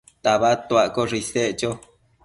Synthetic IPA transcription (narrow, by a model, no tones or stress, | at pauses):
t̪aβat̪wakoʐiseʔt͡ʃo